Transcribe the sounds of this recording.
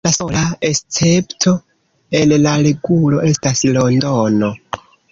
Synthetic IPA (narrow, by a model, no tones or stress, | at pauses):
lasolaest͡se̞ptʰo̞ | e̞nlaɾe̞ɡulo̞ʔe̞staslo̞ndono̞